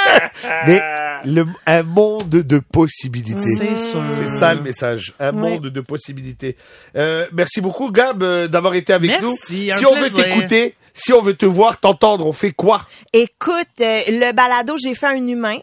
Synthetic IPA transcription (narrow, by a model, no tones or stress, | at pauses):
mɛləɛ̃mɔ̃d̪d̪əpɔsibilit̪esɛsaləmesaʒɛ̃mɔ̃d̪d̪əpɔsibilit̪e | ømɛʁsibokuɡabød̪avwaʁet̪eavɛknusiɔ̃vøekut̪e | siɔ̃vøt̪əvwaʁt̪ɑ̃t̪ɑ̃d̪ʁɔ̃fɛkwa | ekʰut̪øləbalad̪oʒefɛɛ̃nymɛ̃